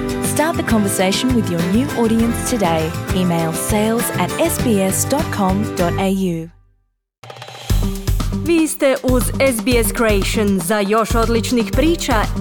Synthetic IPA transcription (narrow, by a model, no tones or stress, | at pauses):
stɑɹt̪̚ðəkʰɒ̃ɱvə˞seɪʃə̃nwɪðjə˞njʉːʔɔːɾiə̃nstʰɨdeɪiːmeɪlˠseɪlˠzɨɾɛsb̥iɛsd̥ɒt̚kʰɒ̃md̥ɒɾeɪjʉ | vist̪əʔɔzɛsbiːɛskʰɹ̥ieɪʃə̃nzəjɔʃɔdlɪt͡ʃnɪkb̥ɾiːˑt͡ʃə